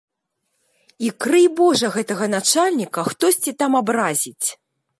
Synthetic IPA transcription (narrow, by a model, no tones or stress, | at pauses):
ikɾɨjbɔʐɐɣɛt̪ɐɣɐnat͡ʂalʲnʲikɐxt̪ɔsʲt͡sʲit̪amabɾazʲit͡sʲ